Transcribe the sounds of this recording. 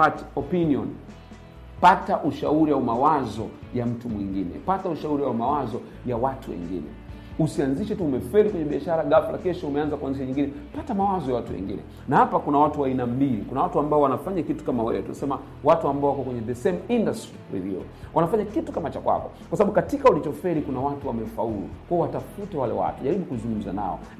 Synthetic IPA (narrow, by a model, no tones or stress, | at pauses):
hatɔpiniɔ̰n | pataʔuʃauɾiwaumawazɔjam̩tumwḭŋɡinɛ̰patauʃauɾiwaumawazɔ | jawatuwɛ̰ŋɡḭnɛ̰ | usianziʃɛtuːmɛfɛɾikwɛɲɛɓiaʃaɾaɡafla̰kɛʃɔumɛanzakuanziʃaɲiŋɡinɛpatamawazɔjawatuwɛ̰ŋɡḭnɛ̰ | nahapakunawatuwainambilikunawatuambaɔwanafaɲakitu̥kamawɛ̰wɛtuna̰sɛma | watuambaɔwakɔkwɛɲɛðɛsɛmindastiɾḭðiṵ | wʔanafaɲakitu̥kamat͡ʃakwa̰kɔ̥ | kwasaɓaɓukatikaulit͡ʃɔfɛɾikunawatuwamɛfaulṵkwaɔwatafutɛwalɛ̰wa̰tuʄaɾiɓukuzuŋɡum̩za̰na̰ɔ̰